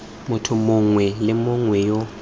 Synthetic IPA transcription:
mʊtʰʊmʊŋwɛlɪmʊŋwɛjɔ

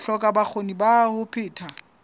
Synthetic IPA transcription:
ɬɔkʼabak͡xʰonibahʊpʰɪːtʰa

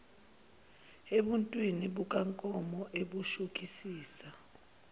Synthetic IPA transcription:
eɓuntʼwiniɓuk̬aŋkʼɔmɔʔeɓuʃuk̬ʰʼisiːsa

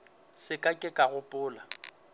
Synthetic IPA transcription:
sɪkʼakʼɪkʼaɣʊpʼʊːla

